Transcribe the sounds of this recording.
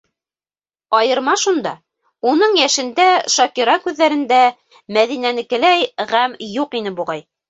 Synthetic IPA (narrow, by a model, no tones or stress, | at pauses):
ɑjɤ̆ɾmɑʃund̪ɑ | unɤɴjæʃɘ̆nd̪æʃɑkiɾɑkʉðːæɾɘ̆nd̪æ | mæðinænɘ̆kɘ̆læjʁæmjuqinɘbuʁɑj